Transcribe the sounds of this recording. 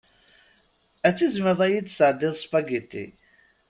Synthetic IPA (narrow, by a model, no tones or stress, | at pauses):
æt͡sːizməɾðˤæjid̪səʕd̪ɪðˤspæɡit̪ːḭ